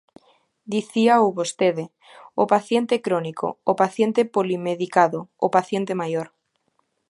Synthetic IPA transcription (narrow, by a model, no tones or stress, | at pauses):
d̪iθiaoβost̪eðe | opaθjent̪ekɾonikʰo̰opaθjent̪epolimeðikaðoopaθjent̪emajoɾ